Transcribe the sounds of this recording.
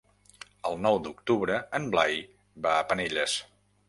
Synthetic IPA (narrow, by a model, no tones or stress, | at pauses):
əlˠnɔwd̪uk̚t̪uβɾəənblaj | baəpəneʎəs